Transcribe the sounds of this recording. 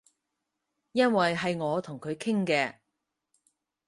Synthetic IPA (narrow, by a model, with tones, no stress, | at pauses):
jɐ˥nwɐ˨jɦɐ˨jŋɔː˨˧t̪ʰʊ˨˩ŋkʰɵ˨˧ɥkʰɪ˥ŋkɛː˧